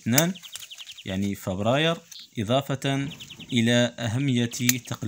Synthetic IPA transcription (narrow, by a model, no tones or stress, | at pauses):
t̪næn | jʔa̰ʕnifəbɾˤɑjəɾʔɪd̪ˤɑfɑt̪nʔəlaʔæɦæmːəjːat̪t̪ːɑql